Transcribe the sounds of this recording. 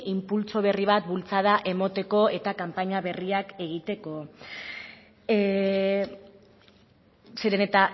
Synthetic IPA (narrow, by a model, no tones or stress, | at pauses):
impult͡so̞β̞e̞riβ̞at̪̚bult͡sað̞aʔe̞mo̞t̪e̞ko̞e̞t̪akampaɲaβe̞riake̞ɣ̞it̪e̞ko̞ | seɾenet̪a